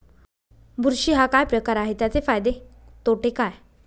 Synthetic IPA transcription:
bʱuɾɕiːɦakajpɾəkaɾaɦet̪jat͡sefajd̪et̪oʈekaj

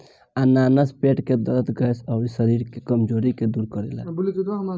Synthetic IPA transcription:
ananəspeʈked̪əɾət̪ɡəjsəisəɾiɾkekəmd͡ʒoɾiked̪uɾkəɾɛla̰bulit͡ʃuɦm

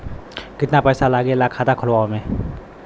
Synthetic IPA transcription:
kit̪̚napajsalaɡilakʰad̪akʰɔlwame

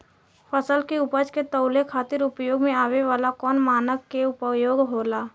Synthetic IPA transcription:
pʰəsəlkeʊpəd͡ʒket̪əʊlekʰaːt̪ɪɾʊpjoːɡmẽaːʋeʋaːlakɔːnmaːnəkːeʊpjoːɡɦoːlaː

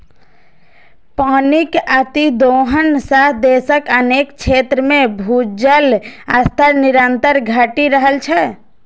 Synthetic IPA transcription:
paːnikat̪id̪oɦənsaɦd̪esəkəneːkt͡ʃʰeːt̪ɾəmẽbʱud͡ʒəlast̪ʰəɾniɾənt̪əɾɡʱaːʈiɾəɦəlt͡ʃʰɛ

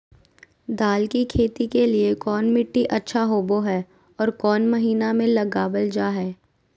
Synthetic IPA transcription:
d̪aːlkikʰeːt̪ikeliekɔːnmɪʈːiʔɐtːʃʰaɦoːboɦɛː | ɔːɾkɔːnmɐɦiːnamẽlɐɡaːbəld͡ʒaːɦɛː

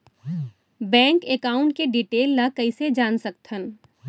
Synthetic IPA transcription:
bɛ̃ːŋkekaːʊ̃ɳʈ̚keɖiʈeːlːakɐised͡ʒaːnsɐk̚t̪ɦən

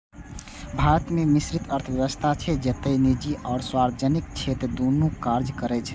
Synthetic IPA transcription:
bʱaɾət̪memisɾit̪ʰəɾt̪ʰəbjəʋəst̪ʰat͡ʃʰɛd͡ʒət̪əinid͡ʒiʔɔːɾswaɾbəd͡ʒənikt͡ʃʰet̪ɾd̪onukaɾd͡ʒkəɾɛt͡ʃʰɛ

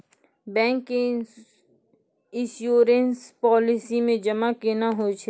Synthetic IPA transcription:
bɛ̃ːŋkːe | ɪ̃ʃjoːɾenspɔːlɪsimẽd͡ʒɐmakenaɦot͡ʃʰe

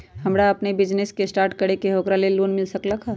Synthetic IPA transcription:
ɦɐmɾaɐpnebɪd͡ʒneskesʈaːɾʈkɐɾekeɦoːkɾaleloːnmɪlsɐklakʰaː

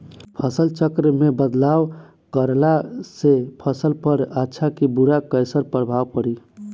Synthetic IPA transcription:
pʰəsəlt͡ʃəkɾəmebəd̪law | kəɾlasepʰəsəlpəɾətːʃʰakibuɾakəjsəɾpɾəbʱawpəɾi

